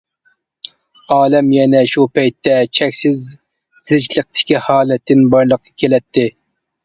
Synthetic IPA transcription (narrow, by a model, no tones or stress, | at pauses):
ɑːlɛmjɛnɛʃupɛjt̪ːɛt͡ʃʰɛkʲsɪz | z̥ɪd͡ʒlˠəq̚t̪ʰɪ̥kʲihɑːlˠɛt̪ːɪnbɑɾlˠəqʰːɑkʲʰelɛt̪ːɪ